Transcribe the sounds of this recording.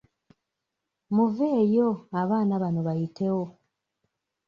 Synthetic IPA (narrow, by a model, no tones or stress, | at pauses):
muveːjo̞aβaːnaβano̞βajitʰe̞wo